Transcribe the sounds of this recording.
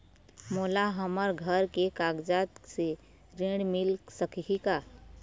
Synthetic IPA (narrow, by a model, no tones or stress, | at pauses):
moːlaɦəməɾɡʱəɾkekaɡd͡ʒat̪se | ɾẽɽmɪlsəkika